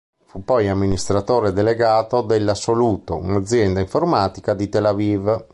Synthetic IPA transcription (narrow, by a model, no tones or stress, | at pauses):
fupːɔjamːinist̪ɾat̪oːɾed̪eleɡaːt̪od̪elːasːoluːt̪oṵnad̪zːjɛnd̪aiɱformaːt̪ikad̪it̪elaviv